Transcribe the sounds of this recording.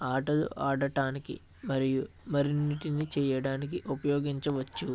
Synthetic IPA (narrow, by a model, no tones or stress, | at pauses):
aːʈɐlṵʔaːɽɐʈaːnikḭ | mɐɾiju | mɐɾiniʈinit͡ʃɛːjɐɽaːnik̬iʔupɐjɔːɡiɲt͡ʃɐʋɐt͡ʃːu